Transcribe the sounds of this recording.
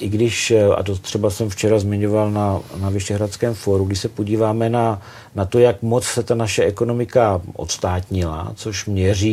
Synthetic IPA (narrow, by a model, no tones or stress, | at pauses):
ʔɪɡdɪʃa̰t̪ot̪r̝̥ɛbasɛmft͡ʃɛɾazmɪɲovalnanavɪʃɛɦɾat͡skɛːmfoɾuɡdɪʃsɛpoɟiːvaːmɛna | nat̪o̞jakmo̞t͡ssɛt̪anaʃɛɛkono̞mɪkaʔo̞̰t̪st̪aːt̪ɲɪla̰t͡so̞ʃmɲɛr̝iː